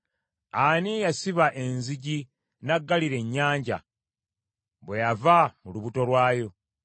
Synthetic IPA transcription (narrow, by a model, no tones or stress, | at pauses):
anijasiβaʔe̞nziɟi | naɡːaliɾe̞ɲːaːɲɟa̰ | βwe̞javamuluβuto̞lwaːjo̞